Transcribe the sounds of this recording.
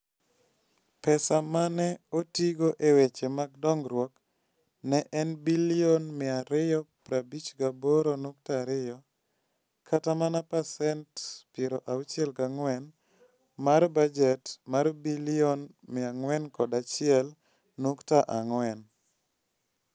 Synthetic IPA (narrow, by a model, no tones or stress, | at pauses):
pɛsamanɛotiɡoʔewet͡ʃemaɡdɔŋɡɾwɔk | nɛʔɛnbilionmɪaɾɪjɔpɾabit͡ʃɡaboɾonuk̚taɾɪjɔ | kʰatamanapasɛntpeɾoʔawut͡ʃɛlɡaŋwɛn | maɾbad͡ʒɛtmaɾbiliɔn | mɪaŋwɛnkɔdat͡ʃɪɛl | nuktaʔaŋwɛn